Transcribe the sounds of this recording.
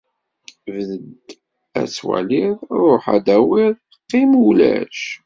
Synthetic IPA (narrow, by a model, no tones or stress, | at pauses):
vəðəd̪ | æ̰t͡sːwæ̰liðɾˤoħæ̰d̪æwiðˤ | əqːimulæʃ